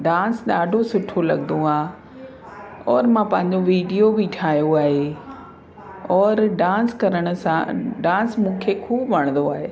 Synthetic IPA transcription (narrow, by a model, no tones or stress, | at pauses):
ɖãːnsɗaːɖʱosʊʈʰolɐ̰ɠnd̪ũaː | ɔːɾmãpɐ̃ɦɪ̃ɲd͡ʑoʋiːɖijobiʈʰaːɦijoaːɦe | ɔːɾɖãːskɐɾəɽ̃ʊsãɖãːsmũːkʰekʰuːbʋɐɽ̃nd̪oaːɦeː